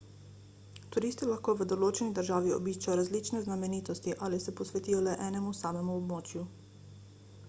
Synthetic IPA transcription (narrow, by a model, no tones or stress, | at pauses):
t̪uɾiːst̪ilaxkoːʋəd̪ɔloːt͡ʃɛnid̪əɾʒaːʋiɔ̰biːʃt͡ʃajɔɾazliːt͡ʃnɛznamɛniːt̪ɔst̪iʔalisɛpɔsʋɛt̪iːjɔlɛʔɛːnɛmusaːmɛmuɔbmoːt͡ʃju